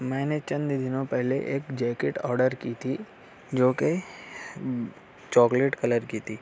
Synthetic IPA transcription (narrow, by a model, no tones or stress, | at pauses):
mɛ̃ːnet͡ʃɐ̃nd̪d̪ɪnõpɛɦleʔeːkd͡ʒɛːkeʈɔ̰ːɾɖəɾkiːt̪ʰi | d͡ʒoːke | t͡ʃɔːkleːʈkɐləɾkiːt̪ʰiː